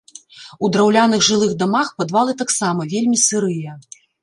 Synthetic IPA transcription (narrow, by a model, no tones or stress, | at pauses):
ud̪ɾawlʲanɨɣʐɨlˠɨɣd̪amaxpad̪valˠɨt̪aksamɐvʲelʲmʲisɨɾɨjɐ